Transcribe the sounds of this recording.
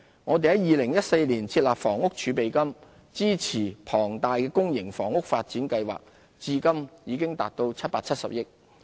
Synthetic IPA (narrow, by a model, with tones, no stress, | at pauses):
ŋɔː˨˧t̪e˨hɐ˨˦jiː˨lɪ˨˩ŋjɐ˥t̚se˧jliː˨˩nt͡sʰiː˧t̚laː˨p̚fɔː˨˩ŋʊ˥k̚t͡ʃʰyː˨˧pe˨jkɐ˥m | t͡siː˥t͡sʰiː˨˩pʰɔː˨˩ŋt̪aː˨jkɛː˧kʊ˥ŋjɪ˨˩ŋfɔː˨˩ŋʊ˥k̚faː˧t̚t͡siː˨˥nkɐ˧jwa̰ː˨k̚ | t͡siː˨˧kɐ˥mjiː˨˧kɪ˥ŋt̪a̰ː˨t̚t̪o˧wt͡sʰɐ˥t̚paː˧t̚t͡sʰɐ˥t̚sɐ̰˨p̚jɪ˥k̚